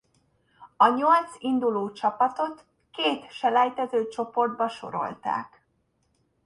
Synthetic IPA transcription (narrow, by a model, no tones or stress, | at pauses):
ɒɲo̞lt̪sind̪uloːt͡ʃɒpɒt̪o̞t̪ | keːt̪ʃɛlɛjt̪ɛzøːt͡ʃo̞po̞rd̪̚bɒʃo̞̰ɾo̞̰lt̪a̰ːk